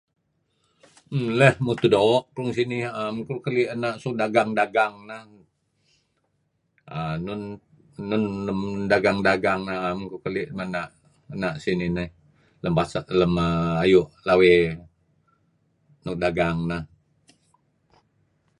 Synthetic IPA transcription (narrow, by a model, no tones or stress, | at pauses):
lɛhmut̪udoːʔkɾuŋsinihamkuukəliʔənaʔsudaɡaŋdaɡaŋnah | ənunː | ʊnləmdaɡaŋdaɡaŋnaɦamkukəliʔmənaʔ | ənaʔsininəh | ləmpasaləməajuʔlawe | nuk̚daɡaŋnah